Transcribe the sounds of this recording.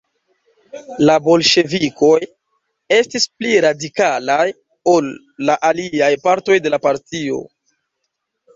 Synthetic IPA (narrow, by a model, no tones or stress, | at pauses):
labo̞lʃe̞viko̞j | e̞stispliɾadikalaj | o̞lː | aʔaliajpaɾto̞jde̞lapaɾtio̞̰